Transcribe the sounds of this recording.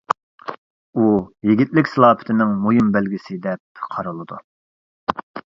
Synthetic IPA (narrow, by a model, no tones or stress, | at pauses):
ujiɡʲit̪̚lɪkʲsɨlˠɑːpʰɪ̥t̪ʰɪnɪŋmojimbɛlɡʲisɪd̪ɛp̚qʰɑɾɨlˠɨd̪u